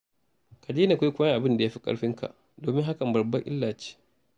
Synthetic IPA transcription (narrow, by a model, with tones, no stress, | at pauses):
ka˨d͡ʒeː˦na˨kʷa˦kʷʊ˦ɐ˦ŋʔa˨bɪ˦nda˨jaː˦ɸi̥˦kʼɐ̰˦ɽɸɪ˦ŋka̰˨ʔ | doː˨mɪ˦ŋɦa˦kɐ˨mbɐ˨bɐ˦ʔɪ̰˦lːaː˨t͡ʃi̥ː˦